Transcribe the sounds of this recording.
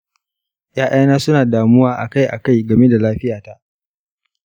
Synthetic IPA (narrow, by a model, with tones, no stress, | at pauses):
jaː˦ʔa˦jnaː˦sʊ˦naː˨daː˨mʊ˦waː˦ʔa̰˨ka˦jʔa̰˨ka˦jɡɐ˨me˦da˨laː˦ɸɪ˦jaː˨ta˦ʔ